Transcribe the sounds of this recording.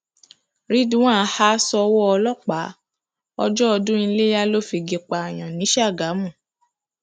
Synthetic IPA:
ɾi˦dũ˦ã˦˨˧ha˦sɔ˧wɔ˦ɔ˧lɔ˦˨k͡pa˨˦ | ɔ˧d͡ʒɔ˦ɔ˧dũ˦i˧le˦ja˦lo˦fi˧ɡe˧k͡pa˧a˨j̃ã˨nĩ˨˦ʃa˦˨ɡa˨˦mũ˦˨

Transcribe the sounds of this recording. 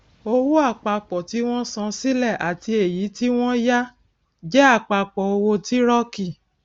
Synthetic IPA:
o˧wu˦a˦˨k͡pa˧k͡pɔ˨ti˨˦w̃ɔ̃˦sã˧si˦lɛ˦˨ʔa˨ti˧e˨ji˨˦ti˦w̃ɔ̃˦ja˦ | d͡ʒɛ˦a˦˨k͡pa˧k͡pɔ˨o˧wo˧ti˦ɾɔ˦ki˦˨

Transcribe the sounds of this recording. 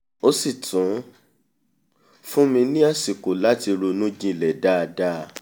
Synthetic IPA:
o˧si˦˨tũ˨˦ | fũ˦mĩ˧nĩ˦a˦˨si˨ko˨la˦ti˧ɾo˧nũ˦d͡ʒĩ˦˨lɛ˨da˦˧da˦˧

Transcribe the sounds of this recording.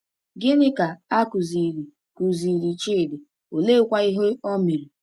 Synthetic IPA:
ɡɪ˦nɪ˦ka˨a˦ku˨zi˨ɾi˨ | ku˨zi˨ɾi˨t͡ʃi˦˨de˨ | o˨le˦kʷa˦i˦ɦe˦o˦mi˨ɾi˨

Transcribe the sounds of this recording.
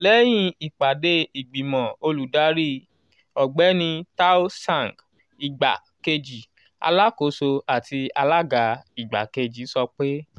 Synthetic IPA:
lɛ˦j̃ĩ˦˧i˨k͡pa˨de˧i˨ɡ͡bi˨mɔ̃˨o˧lu˨da˨˦ɾi˦ | ɔ˨ɡ͡bɛ˨˦nĩ˧ta˦o˦sã˦˨ŋɡ | i˨ɡ͡ba̰˨ | ke˧d͡ʒi˨ | a̰˧la˦ko˨˦so˧a˨ti˧a˧la˦ɡa˧˦i˨ɡ͡ba̰˨ke˧d͡ʒi˨˦sɔ˧k͡pe˦

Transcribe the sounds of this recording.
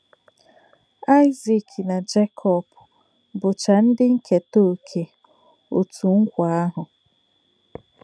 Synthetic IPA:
a˦ɪ˦zi˨kna˨d͡ʒe˦kʰɔ˦˨bʊ˨ | bʊ˨t͡ʃa˨n̩˦dɪ˦ŋ̩˦ke˨to˦˨kʰe˨ | o˨tu˨ŋ̩˦kʷa˨a˦ɦʊ˨

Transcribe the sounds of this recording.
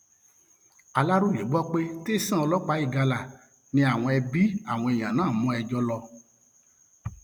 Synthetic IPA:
a˧la˦ɾu˦˨je˨˦ɡ͡bɔ˦k͡pe˦te˦˨sĩ˦ɔ˧lɔ˦k͡pa˨˦i˦˨ɡa˧la˨ | nĩ˧˦a˨w̃ɔ̃˧ɛ˧bi˦a˦˨w̃ɔ̃˧ɛ˨j̃ã˨nãː˨˦˨mɔ̃˨˦ɛ˧d͡ʒɔ˧˦lɔ˧

